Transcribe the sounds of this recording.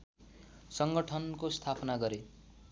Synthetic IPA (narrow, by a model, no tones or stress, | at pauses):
sʌŋɡʌʈʰʌnkost̪ʰapʌnaɡʌɾe